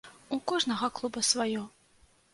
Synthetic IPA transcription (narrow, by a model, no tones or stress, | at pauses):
ukɔʐnɐɣɐklˠubɐsvajɔ